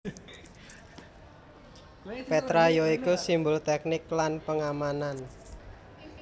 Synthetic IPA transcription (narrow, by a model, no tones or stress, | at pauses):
pet̪ɾajoikusimbʊlt̪ɛk̚nɪklanpəŋamanan